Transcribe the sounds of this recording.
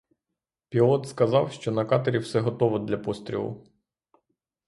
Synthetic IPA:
pʲilˠɔt̪skɐzɑwʃt͡ʃɔnɐkɑt̪eɾʲiwsɛɦɔt̪ɔʋɔd̪lʲɐpɔst̪ɾʲḭlˠʊ̰

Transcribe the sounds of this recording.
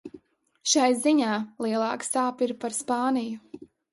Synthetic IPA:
ʃajziɲaːlˠiɛlˠɑːksaːpiɾpaɾspaːniju

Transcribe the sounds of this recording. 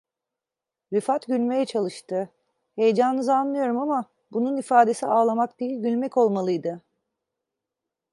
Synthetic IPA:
vɛfat̪ɟylʲme̞jɛt͡ʃʰalˠɯʃt̪ɯ | he̞jed͡ʒanɯnɯzanːɯjo̞ɾumama | bununifaːd̪e̞siaːlˠamakd̪ejilʲɟylʲmɛco̞lˠmalˠɯjd̪ɯ

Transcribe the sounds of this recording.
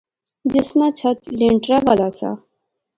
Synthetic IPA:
d͡ʑɪsnat͡ɕʰɐt̪liɳʈɾabalasa̰

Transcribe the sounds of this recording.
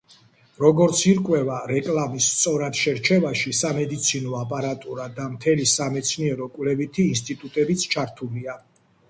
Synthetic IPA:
ɾɔɡɔɾt̪sʰiɾkʼwɛvaɾɛkʼlamisːt̪sʼɔɾad̪̥ʃɛɾt͡ʃʰɛvaʃisamɛd̪it̪sʰinɔapʼaɾat̪ʼuɾad̪amt̪ʰɛlisamɛt̪sʰniɛɾɔkʼwlɛvit̪ʰiːnst̪ʼit̪ʼut̪ʼɛbit̪sʰt͡ʃʰaɾt̪ʰulia

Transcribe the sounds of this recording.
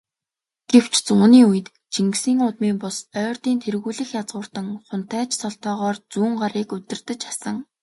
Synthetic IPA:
ɡ̥ew̥t͡ɕt͡sʊːniːujɘ̆t̪ | t͡ɕʰiŋɡsiːŋʊt̪miːŋpʊsœːrt̪iːnt̪ʰerɣuːɮɘ̆xjat͡sʁʊːr̥t̪ə̆ŋχʊn̥t̪ʰæːt͡ɕsɔɬt̪ɔːʁɔːrt͡suːŋɢaɾiːkɵt̪ɪ̆rt̪ɘ̆t͡ɕḁsə̆ŋ

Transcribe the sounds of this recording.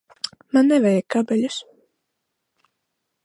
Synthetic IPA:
manːɛvɛjakabɛlʲus

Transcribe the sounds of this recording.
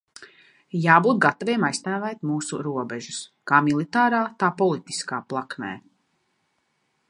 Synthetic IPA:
jaːbuːt̪̚ɡat̪aviɛmajst̪æːvɛjt̪muːsuɾuɔbɛʒuskaːmilˠit̪aːɾaːt̪aːpɔlˠit̪i̥skaːplˠaknɛ̰ː

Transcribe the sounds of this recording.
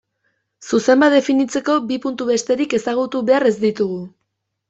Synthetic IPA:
suse̞mbat̪efinit͡se̞ko̞bipunt̪uβe̞st̪e̞ɾike̞saɣ̞ut̪uβe̞aɾe̞zd̪it̪uɣu

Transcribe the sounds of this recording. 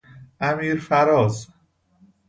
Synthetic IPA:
ʔæmiːɾfæɾɒːz

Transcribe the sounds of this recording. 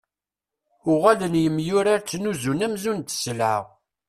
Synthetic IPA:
ʊʁælənjəmːjʊɾaɾt͡sːnuzunæmzunt̪ːsəlʕə̰ʁ

